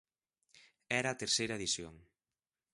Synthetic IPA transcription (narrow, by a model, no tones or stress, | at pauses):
ɛɾɐːt̪eɾsejɾɐeðisjo̰ŋ